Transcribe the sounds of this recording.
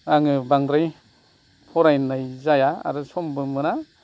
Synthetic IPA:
aŋɯbaŋdɾaj | pʰɔɾajnajzajaa̰ɾɯsɔmbɯmɯɾa

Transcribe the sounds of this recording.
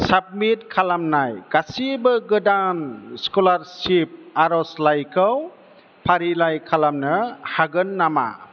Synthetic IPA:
sab̚mitkʰalamnajɡasibɯɡɯdanskɔlaɾsip̚aɾɔslajkʰɯw | pʰaɾilajkʰalamnɯhaɡɯnːama̰

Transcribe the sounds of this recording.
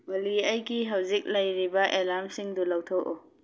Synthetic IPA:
wɐliɐjɡiɦɐwzik̚lɐjɾibɐʔelaɾmsiŋdulawtʰɐwʔo

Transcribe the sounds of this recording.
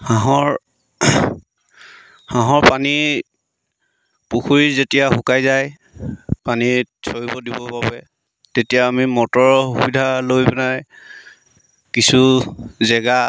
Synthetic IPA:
haɦɔɹ | hãɦɔɹpani | puxuɹizetijaxʊkajzaj | panisʰoɹibɔdibɔbabɛ | tetijaːmimɔtɔɹhubidʱalojbɛnaj | kisuzɛɡa

